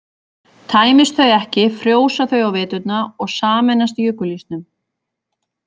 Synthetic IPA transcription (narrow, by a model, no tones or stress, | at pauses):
t̪ʰaːjmɪst̪θœɥɛhcɪfɾjoːwsaθœɥawvɪːt̪ʏt̪naɔɣsaːmɛnːas̬t̪ijʏkːʏlist̪nʏm